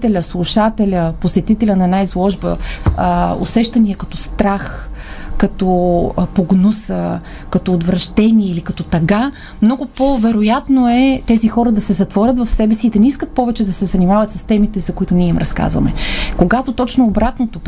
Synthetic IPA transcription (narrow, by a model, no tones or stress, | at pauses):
t̪ɛlʲəslˠuʃat̪ɛlʲəposɛt̪it̪ɛlʲənɐɛnaizlˠɔʒbə̰ | o̰sɛʃt̪ɐnijəkɐt̪ɔst̪ɾaxkɐt̪ɔpoɡnusə | kɐt̪ɔːd̪vɾɐʃt̪ɛniɛilikɐt̪ɔt̪ɐɡa | mnɔɡʊpovɛɾojat̪noɛt̪ɛzixɔɾəd̪ɐsɛzɐt̪vɔɾʲət̪vɐfsɛbɛsiːd̪ɐnɛiskət̪̚pɔvɛt͡ʃɛd̪ɐsɛzɐnimavɐt̪səst̪ɛmit̪ɛzɐkʊit̪ʊniɛimɾɐska̰zvɐ̰mɛ̰koɡat̪ot̪ɔt͡ʃnoːbɾat̪not̪op